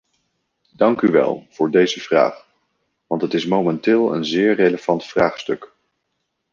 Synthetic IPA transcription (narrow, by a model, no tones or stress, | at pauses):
d̥ɑŋkyʋɛ̰lˠv̥ʊːɹdejzəv̥ra̰ːχ | ʋɑntətɪsmowmɛntɪːlˠə̰nzɪːɹrejləv̥ɑntfraːχstɵk